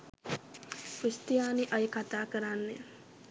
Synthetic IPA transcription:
pust̪ijaːniʔajkat̪aːkəɾanːe

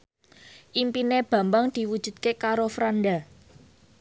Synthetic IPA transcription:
ʔimpineb̥ä̤mbaŋd̪̥i̤wud̥ʒ̥ṳd̪̥̚kekaɾofɾanɖ̪a

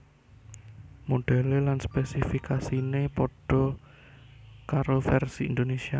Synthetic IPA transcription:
moɖ̥a̤lelanspɛsifikasinepɔɖ̥ɔ̤ | kaɾofɛrsiḭnd̪onesia

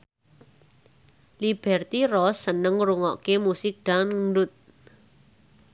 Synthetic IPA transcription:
lib̥ɛrt̪irɔsːənəŋɾuŋɔkemusɪk̚d̪̥anɳɖʊt̪̚

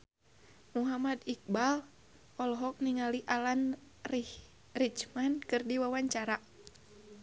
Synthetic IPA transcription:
muɦamad̪ik̚bal | ɔlɦɔk̚niŋaliʔalan | rih | rit͡ʃmankɨrdiwawaɲt͡ʃaɾa

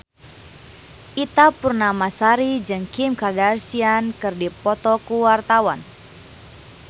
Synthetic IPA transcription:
ʔit̪apurnamasaɾid͡ʒɨŋkimkadarsiankɨrdipɔt̪ɔkuwart̪awan

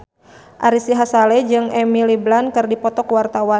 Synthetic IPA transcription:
ʔaɾisiɦasalɛd͡ʒɨŋɛmiliblankɨrdipɔt̪ɔkwart̪awa

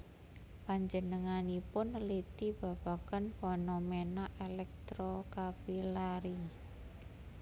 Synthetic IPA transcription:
paɲd͡ʒənəŋanipʊnlit̪ib̥a̤b̥a̤kanfonomenaʔelɛk̚t̪ɾokapilaɾi

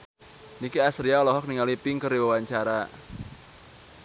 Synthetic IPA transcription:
nikiasɾiaɔlɔɦɔk̚niŋalipɪŋkəriwawaɲt͡ʃaɾa

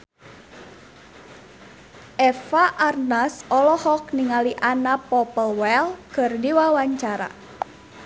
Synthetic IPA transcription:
ʔɛfaʔarnasɔlɔhɔk̚niŋaliʔanapɔpəlwɛlkɨrdiwawaɲt͡ʃaɾa̰

